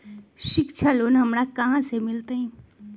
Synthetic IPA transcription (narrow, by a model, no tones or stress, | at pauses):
ʃɪkʃʰaloːnɦɐmɾakɐɦãsemɪlt̪eɦɛ̃ː